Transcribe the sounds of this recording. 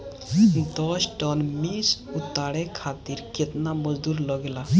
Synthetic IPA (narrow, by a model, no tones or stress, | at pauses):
td̪ɔʃʈɔnmisut̪ːaɽekʰat̪iɾket̪namɔzd̪uɾlɔɡla